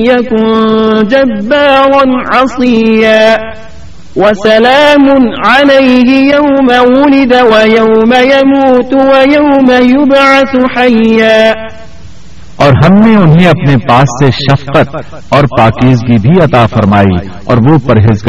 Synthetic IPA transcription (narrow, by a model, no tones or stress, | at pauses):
jakʊnd͡ʒabːaːɾɑnʕɑsˤɪjːaː | wɐsɐlaːmʊnʕalejɦɪjawmawʊlɪd̪awɐjawmajamuːt̪wɐjawmajʊbʕaθʊħajːaː | ɔːɾɦɐmneʊnɦeɐpnepaːsːeʃɐfqət̪̚ | ɔːɾpaːkiːzɡibʱiɐt̪aːfɐɾmaːḭ | ɔ̰ːɾʋopɐɾɦeːzɡ